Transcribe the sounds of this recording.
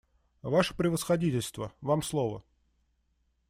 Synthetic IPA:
vaʂə̥pɾʲɪvəsxɐdʲitʲɪlʲst̪vəvamslˠovə̰

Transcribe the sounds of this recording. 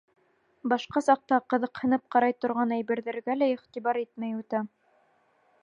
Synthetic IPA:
bɑʃqɑsɑq̚t̪ɑqɤ̆ðɤqhɤ̆nɤp̚qɑɾɑjt̪ŏɾʁɑnæjbɘ̆ɾðɘ̆ɾɡælæiχt̪ibɑɾit̪mæjʉt̪æ

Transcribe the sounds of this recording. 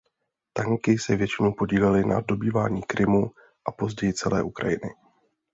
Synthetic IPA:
t̪aŋkɪsɛvjɛt͡ʃɪnowpo̞ɟiːlɛlɪna̰do̞biːva̰ːɲiːkɾɪmu | ʔapo̞zɟɛjɪt͡sɛlɛːʔukɾa̰jɪnɪ̰

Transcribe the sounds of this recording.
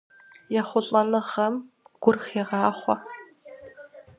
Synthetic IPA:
jaχʷʊɮʼɐnɨʁɐm | ɡ̥ʷʊrxeːʁɑːχʷɔ̰

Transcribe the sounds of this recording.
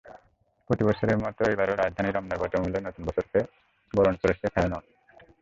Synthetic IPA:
pɾot̪ibɔɾʃoɾeɾmɔt̪oejbaɾoɾad͡ʑd̪ʱaniɾɔmnaɾbɔʈomulːenot̪unbɔt͡ɕʰoɾke | bɔɾonkoɾeet̪ʰaenɔn

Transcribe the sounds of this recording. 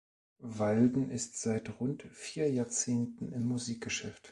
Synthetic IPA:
valdn̩ʔɪstz̥aɪtʁʊntfiːɐjaːɐt͡seːntn̩ɪmːuziːk̚ɡ̥əʃɛft

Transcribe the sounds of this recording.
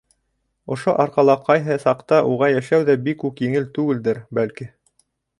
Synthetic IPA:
ŏʃoʔɑɾqɑlˠɑqɑjɦɤsɑqt̪ɑʔuʁɑjæʃæwðæbikːʉkjɘ̆ŋɘlt̪ʉɡɘ̆ld̪ɘɾbælki

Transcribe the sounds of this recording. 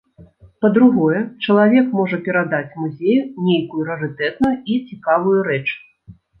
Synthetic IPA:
pɐd̪ɾuɣɔjɛt͡ʂɐlˠavʲɛkmɔʐɐpʲɛɾad̪at͡sʲmuzʲejunʲejkujuɾɛɾɨt̪ɛt̪nujuit͡sʲikavujuɾɛt͡ʂ

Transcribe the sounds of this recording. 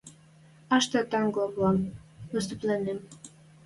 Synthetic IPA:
ɑʃt̪ɑt̪ɑŋɡoβɑmvəst̪əplenem

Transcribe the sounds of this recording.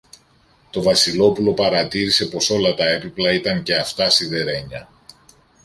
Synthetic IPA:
t̪o̞vɐsilo̞pulo̞pɐɾɐt̪iɾise̞po̞so̞lɐt̪ɐe̞piplɐit̪ɐŋce̞ɐft̪ɐsiðe̞ɾe̞ɲɐ

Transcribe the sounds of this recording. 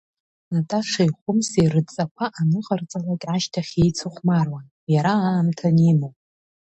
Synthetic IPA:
natʼaʂajχʷʊmserɨdt͡sʼakʷʰaʔanɨʁart͡sʼalakʲʼaʃtʰaχʲe̞jt͡sʰɨχʷmarwan | jaɾaaːmtʰanimowpʼ

